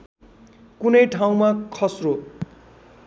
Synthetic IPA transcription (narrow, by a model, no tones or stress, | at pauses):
kunʌjʈʰaw̃makʰʌsro